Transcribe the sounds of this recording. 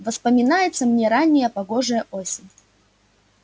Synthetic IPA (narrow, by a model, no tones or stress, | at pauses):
vəspəmʲɪnajɪt̪səmnʲeɾanʲːɪjəpɐɡo̞ʐɨjəʔo̞sʲɪnʲ